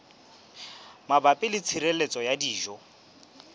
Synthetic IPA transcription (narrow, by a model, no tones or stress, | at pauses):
mabapʼɪlɪt͡sʰiɾelet͡sʼɔjadiːʒɔ